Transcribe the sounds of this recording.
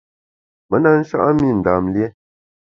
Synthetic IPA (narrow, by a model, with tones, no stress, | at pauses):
mə˨˦na˦n̩˦ʃa̰˦ʔa˦mi˦˨n̩˨da˨mljɛ˦